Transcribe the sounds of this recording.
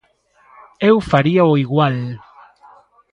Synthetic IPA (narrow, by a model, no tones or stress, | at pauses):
ewfaɾiaoiɣwal